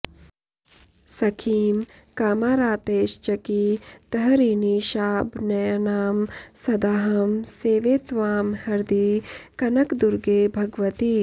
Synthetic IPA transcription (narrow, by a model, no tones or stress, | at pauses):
sɐkʰiːmkaːmaːɾaːt̪eːʃt͡ʃɐkit̪ɐɦɐɾiːniːʃaːbnɐjnaːmsɐd̪aːɦɐmseːʋeːt̪ʋaːmhɐɾd̪ikɐnɐkd̪uɾɡeːbʱɐɡʋɐt̪iː